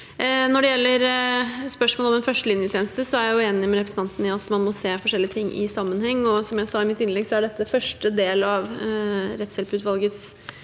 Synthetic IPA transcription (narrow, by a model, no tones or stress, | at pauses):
nɔɖɛjɛlːəɾspœʂmoːlɔmɛnfœʂʈəlɪnjət̪ʰeːnəst̪əsɔæɾjʊeːnɪmɛɾɛp̬ʰɾəsn̩ɑnt̪n̩ɪɑt̪mɑnmɔseːfɔʂɛlːɪət̪ʰɪŋːʔɪ̰sɑmːənhɛŋːɔsɔmjæɪsɑːɪmɪt̪ːɪnlɛɡsɔæɖɛt̪ːəfœʂʈəd̪eːlɑʋɾɛt̪sɛlpʉːt̪ʋɑlˠɡəs